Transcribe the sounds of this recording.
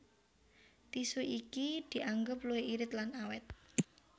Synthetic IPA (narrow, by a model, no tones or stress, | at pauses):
t̪isuʔikid̪̥i̤ʔaŋɡʊpluweiɾɪt̪lanawɛt̪̚